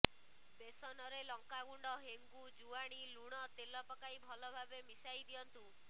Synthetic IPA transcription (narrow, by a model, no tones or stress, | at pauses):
besɔnɔɾelɔŋkaɡuɳɖɔɦeŋɡud͡ʒuaɽ̃iluɽ̃ɔt̪elɔpɔkaibʱɔlɔbʱabemisajd̪ijɔnt̪u